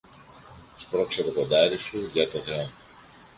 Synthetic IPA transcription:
spɾokseɾokond̪ɐɾisuʝɐt̪oθeon

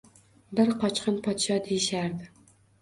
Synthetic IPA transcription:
bɪɾqʰɒt͡ʃqɨnpʰɒt̪ʃɒd̪ejɪʃaɾd̪ɪ

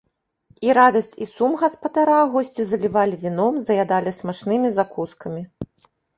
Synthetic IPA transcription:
iɾad̪ɐsʲt͡sʲisumɣɐspɐd̪aɾaːɣɔsʲt͡sʲizɐlʲivalʲivʲinɔmzɐjad̪alʲismaʂnɨmʲizakuskɐmʲi

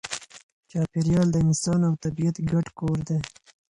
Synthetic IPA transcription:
t͡ʃɑːpiɾjɑːld̪ənɪsɑːnawt̪abijat̪ɡaʈkoːɾd̪e

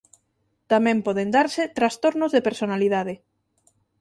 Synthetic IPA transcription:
t̪amɛ̃mpɔðend̪aɾsɪt̪ɾast̪oɾnozðepeɾsonaliðaðɪ

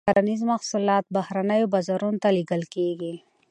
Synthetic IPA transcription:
aɾanizmɐxsulɑːt̪̚bahɾanajobɐzaɾunt̪aliɡəlkeɡi

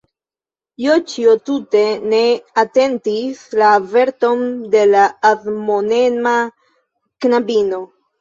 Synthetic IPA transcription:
jot͡ʃiotute̞ne̞ate̞ntislave̞ɾto̞nde̞laːðmone̞na | knabino̞

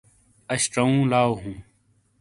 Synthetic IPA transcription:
ɐɕʈɐũːlaːoɦũː

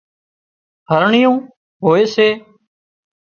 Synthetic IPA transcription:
ɦəɾɳɪjũː | ɦoːeːseː

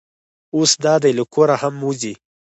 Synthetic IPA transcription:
osd̪ɑd̪ajləkoɾahamuzi

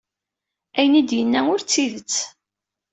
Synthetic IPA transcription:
æjənid̪jənːæʊɾt͡sːiðət͡sː

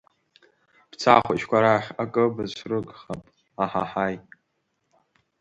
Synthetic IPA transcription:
b̥t͡sʰa̰χʷat͡ʃkʷaɾaχʲakʼɨbɨzrɨɡχapʼ | aħa̰ħaj

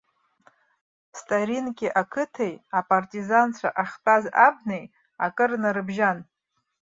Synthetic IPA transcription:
stʼaɾinkʲiʔakʰɨtʰejapʼartʼizant͡ɕʷʰaʔaχtʼazab̚nej | akʼɨrnaɾɨbʒan

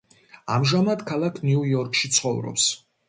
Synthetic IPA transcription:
amʒamad̪kʰalˠakʰnuujɔɾkʰʃit̪sʰχɔvɾɔ̰ps

